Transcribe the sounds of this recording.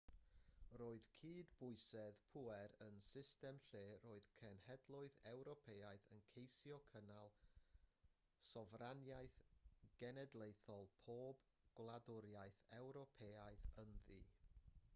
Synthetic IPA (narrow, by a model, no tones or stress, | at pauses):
roːɨð̥kʰiːdbʊɨsɛðpʰuɛɾənsɪstɛmɬeːroːɨðkʰɛnhɛdlˠʊɨðɛwɾɔpʰeaɨθənkʰejsjɔkʰənalˠ | sɔvranjaɨθɡ̥ɛnɛdlˠejθɔlˠpʰoːb | ɡ̥lˠadʊɾjaɨθɛwɾɔpʰeaɨθənðḭː